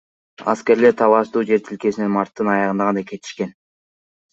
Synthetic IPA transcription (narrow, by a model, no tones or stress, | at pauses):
ɑ̰ske̞ɾle̞ɾt̪ʰɑlˠɑʃd̪uːd͡ʒe̞ɾt̪ʰilke̞sinenmɑɾt̪ːɯnɑjɑʁɯnd̪ɑʁɑnɑjkʰe̞t̪ʰi̥ʃke̞n